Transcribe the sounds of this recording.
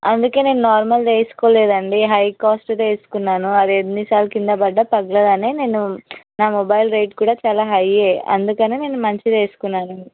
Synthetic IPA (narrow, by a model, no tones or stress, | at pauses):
ɐnd̪uke̞ːne̞ːnunaːɾmɐld̪e̞ːsu̥ko̞ːleːd̪ɐɳɖiɦɐjkaːsʈd̪e̞ːsu̥kunːaːnuɐd̪ienːisaːlukind̪ɐbɐɖːɐpɐɡlɐd̪ɐneːne̞ːnunaːmɔbɐjlɾɐjʈ̚kuːɽaːt͡ʃaːlaːɦɐjeːɐ̰nd̪ukɐneːne̞ːnumɐɲt͡ʃid̪e̞ːsu̥kunːaːnɐɳi